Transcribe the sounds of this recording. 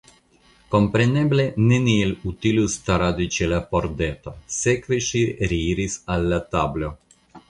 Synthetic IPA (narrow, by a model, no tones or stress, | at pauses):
kompɾeneblenenielut̪ilust̪aɾad̪it͡ʃelapoɾd̪et̪osekveʃiɾiiɾisalːat̪ablo